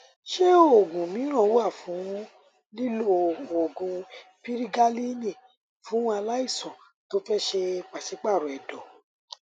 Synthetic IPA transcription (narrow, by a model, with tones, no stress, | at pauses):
ʃe˦o˨ɡũ˨mĩ˨˦ɾ̃ã˦˨˦a˦˨fũ˨˦ũ˦ | li˦lo˦˨o˨ɡũ˨pi˦ɾi˦ɡa˦li˦nĩ˦˨ | fũ˨˦a˧la˦i˦˨sɔ̃˨ | to˦fɛ˦ʃe˧k͡pa˨si˨˦k͡pa˦˨ɾu˨ɛ˨dɔ˨